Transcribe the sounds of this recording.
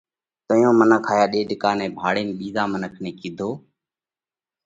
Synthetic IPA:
t̪oːjõːmənəkʰaːjaːɗeːɗɪkaːnẽːbʱaːɽeːmːɓiːzãːmənəkʰnẽːkiːd̪ʱoː

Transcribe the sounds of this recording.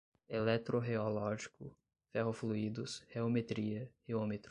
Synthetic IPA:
elɛt̪ɾoɦeolɔʒikʊ | fɛɦofluid̪ʊsheomet̪ɾiɐheomet̪ɾ

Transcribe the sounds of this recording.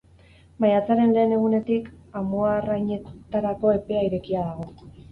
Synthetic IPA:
majat͡saɾe̞nle̞ːne̞ɣ̞une̞t̪ik | amoarajɲe̞t̪aɾako̞e̞pe̞aiɾe̞kiaðaɣo̞

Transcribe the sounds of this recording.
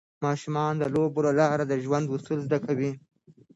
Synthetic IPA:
mɑʃumɑnd̪əloboɾolɑɾad̪əʒwand̪usulzd̪akawi

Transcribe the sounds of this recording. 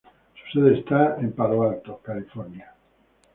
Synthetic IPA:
su̥seðeest̪aempaloalt̪okalifoɾnja

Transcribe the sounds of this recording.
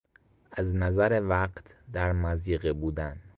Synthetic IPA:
æznæzæɾevæɢt̪ʰd̪æɾmæziːɣebuːd̪æn

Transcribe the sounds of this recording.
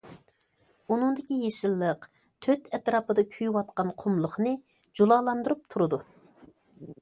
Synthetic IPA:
unɨŋd̪ɪkʲijeʃɪlːəq | t̪ʰøt̪ɛt̪ɾɑːpɨd̪ɑkʲʰyjywɑt̪̚qɑnqʰʊmlˠʊχnɨ | d͡ʒulˠɑːlˠɑnd̪ɨɾup̚t̪ʰuɾɨd̪u

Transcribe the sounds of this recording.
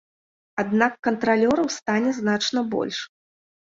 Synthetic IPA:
ad̪nakːɐnt̪ɾalʲɔɾɐwst̪anʲɛznat͡ʂnɐbɔ̰lʲʂ

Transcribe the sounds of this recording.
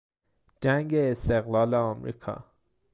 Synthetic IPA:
d͡ʒæŋɡeːst̪eɣlɒːleɒːmɾḭːkʰɒ̰ː

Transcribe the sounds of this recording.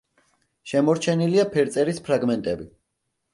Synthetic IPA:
ʃɛmɔɾt͡ʃʰɛniliapʰɛɾt̪sʼɛɾispʰɾaɡmɛnt̪ʼɛbi

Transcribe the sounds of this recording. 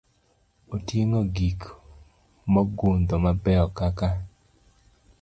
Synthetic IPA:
otjeŋoɡik | mɔɡond̪omabɛɔkaka

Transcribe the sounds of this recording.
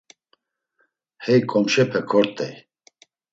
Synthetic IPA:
hɛjkʼɔmʃɛpʰɛkʰɔɾt̪ʼɛ̰j

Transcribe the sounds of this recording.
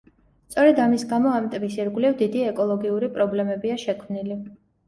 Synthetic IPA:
st̪sʼɔɾɛd̪amisɡamɔamt̪ʼmisiɾɡwlivd̪id̪iɛkʼɔlˠɔɡiuɾipʼɾɔblɛmɛbiaʃɛkʰmnili

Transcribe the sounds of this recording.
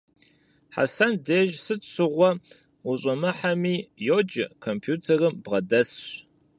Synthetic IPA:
ħa̰sɐndeːʒsɨɕɨʁʷɔ | ʊɕʼɐmɨħamiːjod͡ʒɪkʰompʰjuːtʰɐrɨmbʁɐdɐsɕ

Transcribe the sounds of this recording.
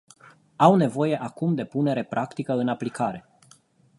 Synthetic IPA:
awne̞vo̞je̞ʔakumd̪e̞pune̞ɾe̞pɾʔakt̪ikəɨnaplikʰaɾe̞

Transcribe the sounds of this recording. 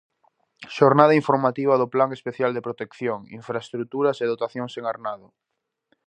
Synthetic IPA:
ʃoɾnað̞aiɱfoɾmat̪iβ̞ɐðoplaŋespeθjald̪epɾot̪ekθjoŋḭɱfɾaest̪ɾut̪uɾɐseðot̪aθjoŋseŋaɾnaðʊ

